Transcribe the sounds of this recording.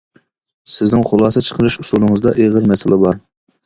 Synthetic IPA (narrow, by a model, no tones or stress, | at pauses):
sɪznɪŋχʊlˠɑːsɛt͡ʃʰə̥qʰəɾɨʃusulˠɨŋəzd̪ɑ̰ʔeʁəɾmɛsɪlʔɪbɑɾ